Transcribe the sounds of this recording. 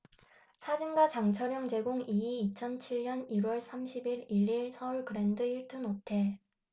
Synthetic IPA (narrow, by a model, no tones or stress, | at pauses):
sʰad͡ʑinɡat͡ɕaŋt͡ɕʰʌɾjʌŋd͡ʑe̞ɡoŋiiit͡ɕʰʌnt͡ɕʰiɭɲʌniɾwʌɭsʰamɕʰibiɾiɾiɭsʰʌuɭɡɯɾe̞ndɯiɭtʰɯnotʰe̞ɭ